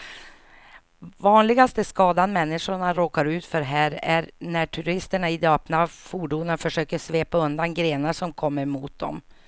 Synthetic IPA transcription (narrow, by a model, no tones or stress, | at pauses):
vɑːnlɪɡast̪əskɑːd̪anmɛnːɪʂʊɳaɾoːkaɾʉ̟ːt̪fœɾɦæːɾæɾnæʈʰʉɾɪst̪əɳaɪd̪ɑːpnafuːɖuːnəfœʂøːkəʂveːpaɵnd̪anɡɾeːnaʂɔmkʰɔmːəɾmuːt̪̚d̪ɔ̰m